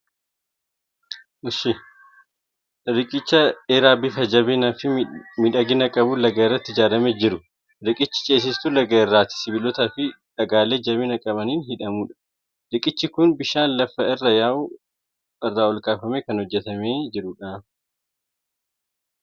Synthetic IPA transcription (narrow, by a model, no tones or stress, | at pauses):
ʊʃɪ | ɾɪkʼɪt͡ʃːɐeːɾaːbɪfɐd͡ʒɐβɪnɐfɪmɪᶑɐɡɪnɐkʼɐbuːlɐɡɐɪrːɐt̪ːɪɪd͡ʒaːɾɐmeːd͡ʒɪɾʊ | ɾɪkʼɪt͡ʃːɪ̥t͡ʃʼe̞ːs̬ɪst̪ʊlɐɡɐɪrːaːt̪ɪ̥sɪbɪlɔt̪ɐfɪᶑɐɡaːleːd͡ʒɐβɪnɐkʼɐbɐniːnhɪᶑɐmuːᶑɐ̥ | ɾɪkʼɪt͡ʃːɪkʊnbɪʃaːnlɐfːɐɪrːɐjaːw | ɪrːaːɔlkʼaːfɐmeːkɐnhɔd͡ʒːɛt̪ɐmeːd͡ʒɪɾʊᶑaː